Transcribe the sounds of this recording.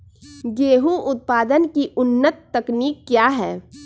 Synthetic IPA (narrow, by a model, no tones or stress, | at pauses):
ɡeːɦuʔʊt̪̚paːd̪ənkiʔʊnːət̪ːɐkniːkːjaːɦɛː